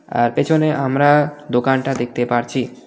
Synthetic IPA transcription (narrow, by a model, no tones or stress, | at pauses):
a̰ɾpet͡ʃʰoneʔamɾad̪okanʈad̪ek̚ʰt̪epaɾt͡ɕʰi